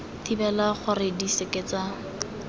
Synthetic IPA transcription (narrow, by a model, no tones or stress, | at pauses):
tibɛlaχʊrɪdiseket͡sa